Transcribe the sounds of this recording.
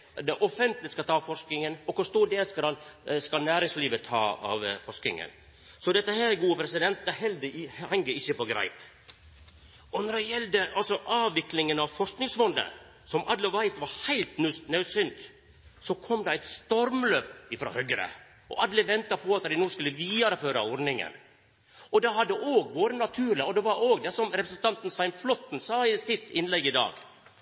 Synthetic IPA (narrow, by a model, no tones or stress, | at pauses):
d̪ɛʔɔfɛnt̪lɪskɑt̪ʰɑːfɔʂknɪŋənɔkʊʂt̪uːɖ̪eːskɑɑnskɑnæːɾɪŋsliːʋət̪ʰɑ̰ːɑ̰ʋfɔʂknɪ̰ŋə̰n | sɔd̪ɛt̪ːəhæɾɡuːəpɾɛsɪd̪ɛnt̪̚d̪ɛɦɛld̪əhɛŋɡəɪçːəpɔɡɾæ̰ɪp̪ | ɔnɔɖɛjɛld̪əʔɑlsɔʔɑːʋɪklɪŋənɑʋfɔʂknɪŋsmɔnd̪ə̰ | sɔmʔɑ̰d̪ləʋæɪt̪ʋɑɾhæɪlt̪nʉsnœʉsʏnd̪ | sɔkʰɔmd̪ɑæɪt̪st̪ɔɾmløːpɪfɾɑ̰ːhœɡəɾə̰ | ɔ̰ʔɑd̪lɪʋɛnt̪ɑpʰɔɑt̪əd̪æɪnuːskʉlːəʋiːd̪ɑɾəføːɾɑ̰ɔɾnɪŋə̰n | ɔd̪ɛhɑd̪ːəʔoːɡʋoːɾənɑt̪ʰʉːɾlɪɔd̪ɛʋɑɾoːɡd̪ɛsɔmɾɛpɾəsən̩t̪ʰɑnt̪n̩sʋæɪnflɔt̪ːn̩sɑːɪsɪt̪ːɪnlɛɡɪd̪ɑ̰ːɡ